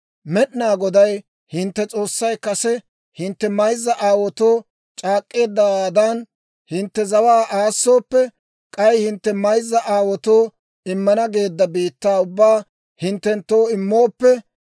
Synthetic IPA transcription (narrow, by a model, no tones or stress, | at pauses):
mɛɗnaːɡɔd̪ɐj | hɪnt̪ːɛt͡sʼo̞ːsːɐjkɐsɛ | hɪnt̪ːɛmɐjzːɐʔaːwɔt̪oː | t͡ʃʼaːkʼːe̞ːd̪ːɐaːd̪an | hɪnt̪ːɛzɐwaːʔaːsːo̞ːpːɛ | kʼɐjhɪnt̪ːɛmɐjzːɐʔaːwɔt̪oː | ɪmːɐnɐɡe̞ːd̪ːɐbiːt̪ːaːʊbːaː | hɪnt̪ːɛnt̪ːo̞ːɪmːoːpːɛ